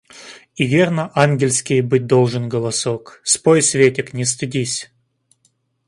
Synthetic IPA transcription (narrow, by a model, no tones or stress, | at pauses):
ivʲernəʔanɡʲɪlʲsʲkʲɪjbɨt̚ʲd̪olˠʐɨnɡəlˠɐsokspojsvʲetʲɪknʲɪs̬t̪ɨdʲisʲ